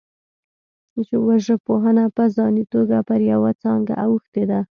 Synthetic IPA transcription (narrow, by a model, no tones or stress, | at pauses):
t͡ʃewaʒəpoɦənapəzɑnit̪oɡapəɾjawat͡sɑŋɡa̰ʔawəxt̪ed̪a